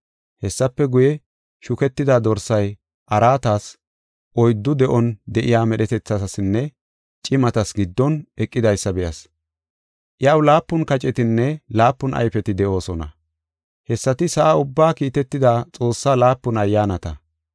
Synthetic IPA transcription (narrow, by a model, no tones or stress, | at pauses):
hɛsːɐpːɛɡʊjɛ | ʃʊkɛt̪ːɪd̪ad̪ɔɾsɐj | ʔɐɾaːt̪aːs | ʔɔjd̪ːʊd̪ɛʔɔnd̪ɛʔɪjaːmɛɗɛt̪ɛt͡sːɐsɐsɪnːɛ | t͡ʃʼɪmɐt̪ɐsɡɪd̪ːɔnʔɛkʼːɪd̪ɐjsːɐbɛjɐs | ʔjawlaːpːʊnkɐt͡ʃʼɛt̪ɪnːɛlaːpːʊnʔɐ̰jfɛt̪ɪd̪ɛʔo̞ːsɔnɐ̰ | hɛsːɐt̪ɪsɐʔaʊbːaːkiːt̪ɛt̪ːɪd̪aːt͡sʼo̞ːsːaːlaːpːʊnɐjːaːnɐt̪ɐ